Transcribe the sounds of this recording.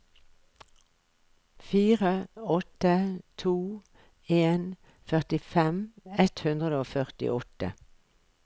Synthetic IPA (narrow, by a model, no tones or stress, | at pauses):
fiːʁəɔt̪ət̪ʰuː | eːn | fœʁt̪ɪfɛmɛt̪hʉnd̪ʁəd̪əoːfœʁt̪ɪ̰ʔɔt̪ə̰